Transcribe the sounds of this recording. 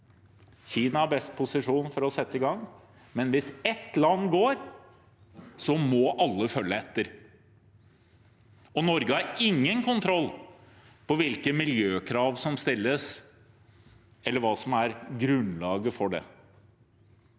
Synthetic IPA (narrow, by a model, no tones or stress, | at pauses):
çiːnɑæɾbɛst̪̚pʰʊsɪʂuːnfɔɾɔsɛt̪ːəɪɡɑŋː | mɛnʋɪsɛt̪ːlɑnːɡoːɾ | sɔmɔʔɑlːəfœlːəɛt̪ːəɾ | ɔnɔɾɡəhɑɾɪŋːənkʰʊnt̪ʰɾɔlː | pɔʋɪlkəmɪljøːkʰɾɑːʋsɔmst̪ɪlːəs | ɛlːəɾʋɑːsɔmæɾɡɾʉnlɑːɡəfɔɖɛ̰